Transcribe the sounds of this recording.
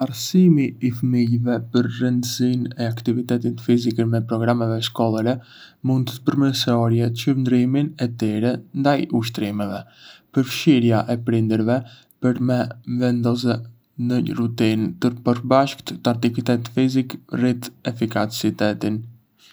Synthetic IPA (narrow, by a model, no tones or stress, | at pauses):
aɾsimiːfəmilvɛpəɾrənd̪əsinɛakt̪ivit̪ɛt̪it̪fizikəmɛpɾɔɡɾamɛvɛʃkɔlˠaɾɛmund̪t̪ə̥pəɾməsɔɾjɛt͡ʃəɾnd̪ɾiminɛt̪iɾɛnd̪ajuʃ̬t̪ɾimɛvɛpəɾfʃiɾjaʔɛpɾind̪əɾvɛ | pəɾmɛvɛnd̪ɔzɛ | nərut̪int̪əɾpəɾbaʃkt̪t̪aɾt̪ikit̪ɛt̪fizikrit̪ɛfikat͡sit̪ɛt̪in